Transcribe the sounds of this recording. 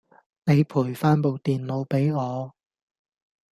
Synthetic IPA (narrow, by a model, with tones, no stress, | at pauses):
ne˨˧jpʰuː˨˩jfaː˥npo˨˧wt̪iː˨nlo˨˧wpe˨˥jŋɔː˨˧